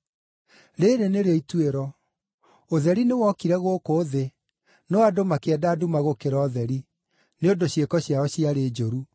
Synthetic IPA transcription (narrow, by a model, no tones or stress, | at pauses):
ɾeɾeneɾeitweɾɔ | oðɛɾinewɔkiɾɛɣoːkoːðe | nɔadomakeɛdaːdumaɣokeɾɔːðɛɾi | neondoɕiekɔɕiaɔɕiaɾeːd͡ʒoɾu